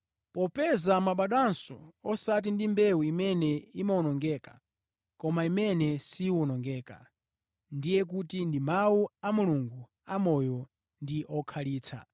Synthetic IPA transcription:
pɔpɛzamaɓaɗwansɔ̰ɔsat̬indimbɛwuimɛnɛimaɔnɔŋɡɛːkḁ | kɔmaimɛnɛsiwɔnɔŋɡɛːka̰ | ndijɛk̬utindimawuamuluŋɡu | amɔjɔ | ndiʔɔkʰaliːt͡sʰa̰

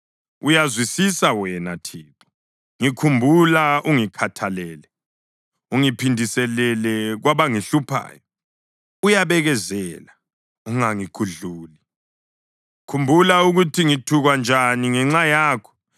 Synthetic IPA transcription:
ujazwisisawɛnatʰiǁɔ̥ | ŋikʰumbʱulaʔuŋikʰatʰalɛːlɛ | uŋipʰindʱisɛlɛlɛɣwaβaŋiɬupʰa̰ːjɔ | ujaβɛɣɛzɛːla | uŋaŋikʰuɮuːli | kʰumbʱulauɣutʰiŋitʰuɣwand͡ʒʱaniŋɛŋ͡ǁajaːkʰɔ̥

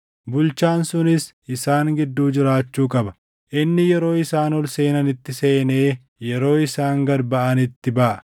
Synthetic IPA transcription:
bʊlt͡ʃaːnsʊnɪs | ɪsaːŋɡɪd̪ːuːd͡ʒɪɾaːt͡ʃːuːkʼɐbɐ | ʔɪnːɪjɛɾo̞ːɪsaːnɔlse̞ːnɐnɪt̪ːɪse̞ːne̞ː | jɛɾo̞ːɪsaːŋɡɐɾbɐʔɐnɪt̪ːɪbɐʔɐ

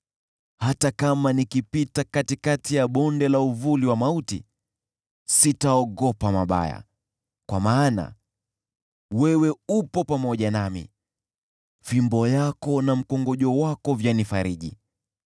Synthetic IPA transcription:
hatakamanikipitakatikatijaɓɔndɛlauvuliwamautḭ | sitaɔɠɔpamaɓa̰ja̰ | kwa̰maːna̰ | wɛwɛupɔpamɔʄanamḭ | fimbɔjakɔnam̩kɔŋɡɔʄɔwakɔvjanifaɾiʄḭ

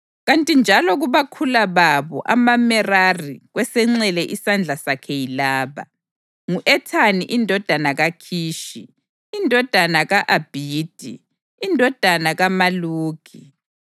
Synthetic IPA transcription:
ɣantʼind͡ʒʱalɔɣuβakʰulaβaβɔ̰ʔamamɛrariɣwɛsɛŋ͡ǀɛlɛʔisand͡ɮʱasakʰɛjilaːβa̰ | ŋuʔɛtʰaniʔindʱɔd̥ʱanaɣakʰiːʃiː | ndʱɔd̥ʱanaɣaʔab̥ʱid̥ʱi | indʱɔd̥ʱanaɣamaluːɡ̥ʱi

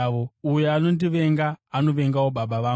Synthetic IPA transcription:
oujeano̞ndiʋe̞ŋɡaːno̞ʋe̞ŋɡawoɓaɓaʋa

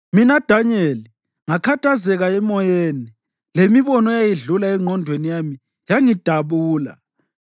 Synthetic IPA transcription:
minad̥ʱaɲeli | ŋakʰatʰazɛɣaɛmɔjeːni | lemiβɔnɔjajiɮulaɛŋʱɔndʱwenijami | jaŋid̥ʱaβuːla̰

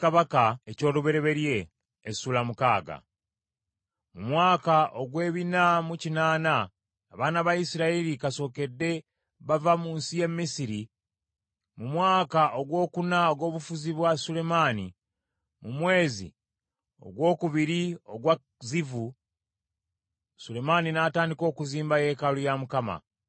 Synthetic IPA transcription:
kaβakaeco̞ːluβe̞ɾe̞βe̞ɾje̞ː | suːlamukaːɡa̰ | mumwaːkaʔo̞ɡwe̞ːβinamucinaːnaː | βaːnaβaisiɾaelikaso̞ːke̞dːe̞ | βavamuːnsije̞mːisiɾi | mumwaːkaʔo̞ɡwo̞ːkunaoɡo̞ːβufuziβwasule̞mani | mumwe̞ːzḭ | o̞̰ɡwo̞ːkuβiɾioɡwa | zivu | sule̞maninaːtaːndiko̞ːkuziːmbaje̞ːkalujamukama̰

